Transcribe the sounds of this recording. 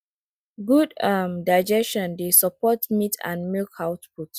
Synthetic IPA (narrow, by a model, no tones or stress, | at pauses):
ɡudamdaɪd͡ʒɛsʃɔ̃ndesɔpɔtmitʰã̰nmilkʰawtput